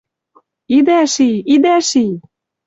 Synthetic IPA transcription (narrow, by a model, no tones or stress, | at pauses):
id̪æʃiid̪æʃij